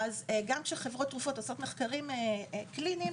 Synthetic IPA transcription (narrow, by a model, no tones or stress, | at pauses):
azeɡamkʃeχevʁo̞tːʁufo̞toso̞tmeχkaʁimeklinim